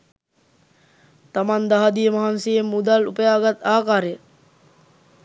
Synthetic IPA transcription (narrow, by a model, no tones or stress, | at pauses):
t̪amand̪aɦad̪ijəmɐɦansijemːud̪alupəjaːɡat̪aːkaːɾejə